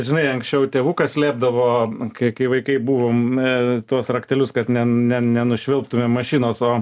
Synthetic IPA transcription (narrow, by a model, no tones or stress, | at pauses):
ʒʲɪnɐɪɐŋksʲt͡ʃʲɛʊt̪ʲeːʋuːkɐsʲlʲeːb̚d̪ɐʋoːkɐɪkɐɪʋɐɪkɐɪbuːʋoːmt̪uɔsrɐktʲɛlʲʊskɐt̪nʲɛnʲɛnʲɛnʊʃʲʋʲɪlˠpt̪ʊmʲeːmːɐʃʲiːnoːsoː